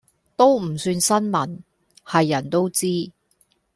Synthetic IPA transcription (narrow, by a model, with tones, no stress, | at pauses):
t̪o˥wm̩˨˩syː˧nsɐ˥nmɐ˨˩n | hɐ˨jːɐ˨˩nt̪o˥wt͡siː˥